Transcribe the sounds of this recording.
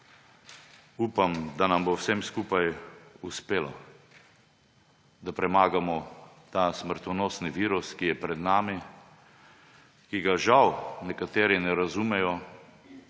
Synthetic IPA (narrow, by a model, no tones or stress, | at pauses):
uːpamd̪anambowsɛmskuːpajuspeːla | d̪apɾɛmaːɡamɔt̪aːsməɾt̪ɔnoːsniʋiːɾuskijɛpɾɛd̪naːmi | kiɡaʒawnɛkat̪eːɾinɛɾazumɛjɔ